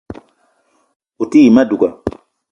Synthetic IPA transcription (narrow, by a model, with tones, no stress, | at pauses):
u˨ti˦i˨ma˦du˨ka˨